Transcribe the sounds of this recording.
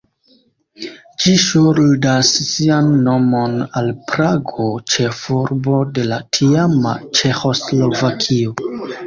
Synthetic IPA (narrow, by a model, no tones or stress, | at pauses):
d͡ʒiʃuɾdasːianːo̞monalpɾaɡo̞t͡ʃe̞fuɾbo̞de̞latʰiama̰t͡ʃe̞xo̞slo̞vakʰio